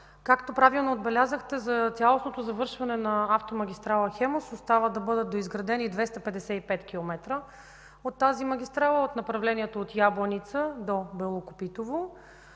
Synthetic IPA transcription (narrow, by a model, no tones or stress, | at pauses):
kakt̪opɾavilˠnood̪̚bɛlʲazəxt̪ɛzɐt̪sʲjalˠosnot̪ozɐvɤɾʃvɐnɛnɐaft̪omɐɡʲist̪ɾalˠəxɛmosost̪avəd̪ɐbɤd̪ət̪̚d̪oizɡɾɐd̪ɛnid̪vɛst̪ɐpɛd̪ɛsɛipɛt̪kʲilˠomɛt̪ɾə | ot̪ːazimɐɡʲist̪ɾalˠəot̪nɐpɾɐvlɛniɛt̪oot̪jablˠənit̪səd̪obɛlˠokopit̪ovo